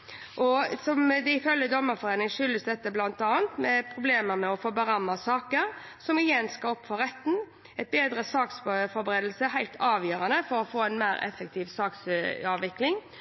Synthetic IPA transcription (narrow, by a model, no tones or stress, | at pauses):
ʔɔsɔmd̪ɛɪfœljəd̪ɔmːəɾfɔɾeːnɪŋʂʏlːəsd̪ɛt̪ːəblɑnt̪ɑːnt̪mɛpʰɾʊbleːməɾmɛɔfoːbɑɾɑmːɑsɑːkəɾ | sɔmɪjɛnskɑlɔpːfɔɾɛt̪ːn̩ | ɛɪt̪̚beːd̪ɾəsɑːksfɔɾbɾeːd̪l̩səɦæɪlt̪ʰɑːʋjøːɾɑnəfɔɾɔfoːɛnmæɪɾɛ̰fːək̚t̪ʰiːʋsɑːksɑːʋʋɪklɪŋ